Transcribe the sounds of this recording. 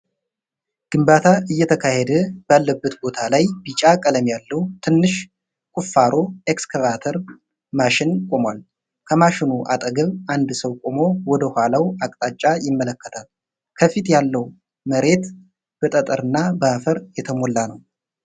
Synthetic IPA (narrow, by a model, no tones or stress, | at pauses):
ɡ̥ɨmbat̪ʰaʔɨjːɛt̪ʰəkʰahɛd̪əb̥alːəbːət̪bo̞t̪ʰalajbit͡ʃʼakʼələmjalːəwt̪ʰɨnːɨʃ | kʼufːaɾʔo̞ekskəvat̪ʰəɾ | maʃɪnkʼomwal | kʰəmaʃɪnuʔa̰t̪ʼəɡəβand̪səwkʼomo̞wɔd̪əhʷalawakʼt̪ʼat͡ʃʼːajɪmːələkːət̪ʰal | kʰəfit̪jalːəw | məɾe̞t̪ | b̥ət̪ʼət̪ʼəɾɨnːabəafəɾjɛt̪ʰəmo̞lːanəw